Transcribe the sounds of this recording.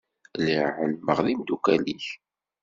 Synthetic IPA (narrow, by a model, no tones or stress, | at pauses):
liʕənməʁðimd̪ukæliç